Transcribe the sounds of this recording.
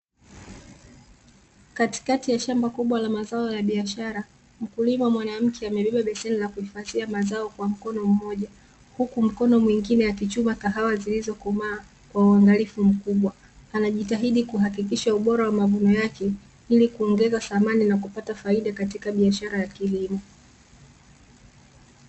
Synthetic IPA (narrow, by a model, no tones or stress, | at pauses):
kati̥katijaʃambakuɓwalamazaɔjaɓiaʃaɾa | m̩kulimamwanam̩kʰɛamɛɓɛɓaɓɛsɛnilakuhifaðiamazaɔkwam̩kɔnɔm̩mɔʄa | hukum̩kɔnɔmwiŋɡinɛjakit͡ʃumataɦawazilizɔkumaː | kwauaŋɡalifum̩kuɓwa | anaʄitaɦiɗikuɦakik̬iʃauɓɔɾawamavunɔjakɛ | ilikuɔŋɡɛzaθamaninakupatafaiɗakatikaɓiaʃaɾajakilimɔ